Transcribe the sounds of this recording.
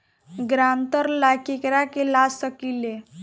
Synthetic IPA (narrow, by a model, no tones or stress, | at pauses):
ɡɾant̪əɾlakekɾakelasəkile